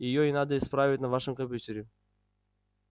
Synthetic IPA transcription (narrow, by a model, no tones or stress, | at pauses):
jɪjoɪnad̪əɪspɾavʲɪtʲnɐvaʂɨmkɐmpʲutʲɪɾʲɪ